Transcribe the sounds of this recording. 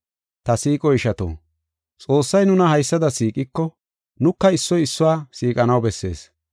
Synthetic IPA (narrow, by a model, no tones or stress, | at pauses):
t̪ɐsiːkʼɔɪʃɐt̪o̰ː | t͡sʼo̞ːsːɐjnʊnɐhɐjsːɐd̪ɐsiːkʼɪkːɔ | nʊkːɐɪsːɔjɪsːʊwaːsiːkʼɐnɐwbɛsːe̞̰ːs